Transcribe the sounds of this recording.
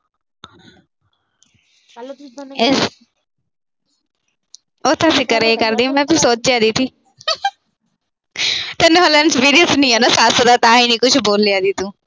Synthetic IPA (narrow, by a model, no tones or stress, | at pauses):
oːt̪ʰãːsɪkəɾeeːkəɾd̪ĩːmɛ̃ːpɪɾsoːt͡ʃd͡ʒjaːd̪it̪ʰiː | t̪enːolɛːnspiːɾiəsnĩːɛːnaːsaːsəd̪aːt̪ãːiːnĩːkʊt͡ʃʰboːlːɪjaːd̪it̪ːũː